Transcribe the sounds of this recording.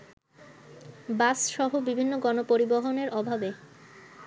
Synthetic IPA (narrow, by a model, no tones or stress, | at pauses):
basʃɔɦobibʱinːoɡɔnopoɾiboɦoneɾʔɔbʱabe